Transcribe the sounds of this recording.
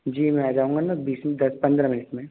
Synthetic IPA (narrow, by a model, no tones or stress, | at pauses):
d͡ʒiːmɛ̃aːd͡ʒaːũːŋɡanabiːsd̪ɐspɐ̃nd̪ɾɐmɪnɪʈmẽ